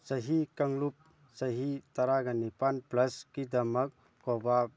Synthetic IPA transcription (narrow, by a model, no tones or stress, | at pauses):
sɐɦikɐŋlup̚ | sɐɦit̪aɾaɡanipanplɐskid̪ɐmɐk̚ | kɔba